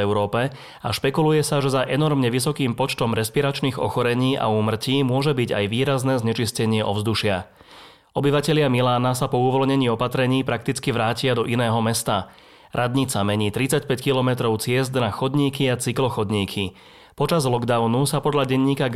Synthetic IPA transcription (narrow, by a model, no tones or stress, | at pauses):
ɛʊɾɔːpɛ | a̰ʃpɛkulujɛsaʒɛzaʔɛnɔɾmɲɛʋisɔkiːmpɔt͡ʃt̪ɔmɾɛspiɾat͡ʃniːɣɔ̰xɔɾɛɲiːʔa̰uːmr̩ciːmʊɔʒɛbiɟa̰jʋiːɾaznɛːzɲɛt͡ʃiscɛɲɪɛʔɔ̰vzd̪uʃɪa | ʔɔbiʋacɛʎɪamilaːnasapɔuʋɔlɲɛɲiːɔpat̪ɾɛɲiːpɾak̚t̪it͡skiʋɾaːcɪad̪ɔʔinɛːɦɔmɛst̪a | ɾʔad̪ɲit͡samɛɲiːt̪ɾit͡sacpɛckilɔmɛt̪ɾɔʊt͡sɪɛzd̪naxɔd̪ɲiːkiat͡siklɔxɔd̪ɲiːkʰi | pɔt͡ʃazlɔɡd̪aʊnusapɔd̪ʎaɟɛɲːiːka